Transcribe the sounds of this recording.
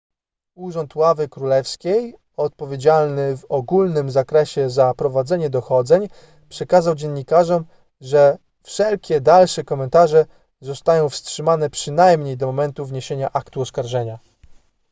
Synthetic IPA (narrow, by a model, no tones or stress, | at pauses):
uʐɔnt̪wavɘkɾulɛfskʲej | ɔt̪̚pɔvʲjed͡ʑalnɘvɔɡulnɘmzakɾɛɕɛzapɾɔvad̪zɛɲɛd̪ɔxɔd̪zɛɲ | pʂɛkazawd͡ʑɛɲːikaʐɔm | ʐɛ | fʂɛlkʲɛd̪alʂɛkɔmɛnt̪aʐɛ | zɔst̪ajɔ̃w̃fstʂɘmanɛpʂɘnajmɲejd̪ɔɔmɛnt̪uvɲeɕeɲaʔakt̪uɔskaɾʐɛɲa